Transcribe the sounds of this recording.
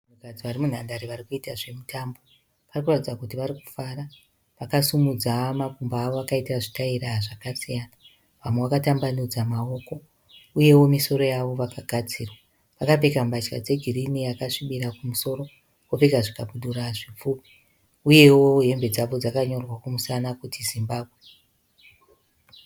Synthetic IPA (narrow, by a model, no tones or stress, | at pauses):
anukad͡ziʋaɾimun̤andaɾiʋarikuitaʐe̞mutʰaːmbo̞ | ʋarikuratid͡zakutiʋaɾiku̥faːra | ʋakasumud͡zamakumbaːʋo̞akaitaʐitairaʐakasijana | ʋamwewakatambanud͡zamao̞ko̞ | uje̞wo̞miso̞ɾo̞jaʋo̞ʋakaɡʱat͡siːrwa | ʋakap̬e̞kambat͡ʃka̰d͡ze̞ɡʱirinijakaʂiɓiɾakumuso̞ɾo̞ | kopeɡaʐikaɓuɗuraʐip͡fuːpi̥ | uje̞woɦe̞mbe̞d͡zaʋo̞d͡zakaɲo̞rwakumusanakutʰizimbaːbʱwe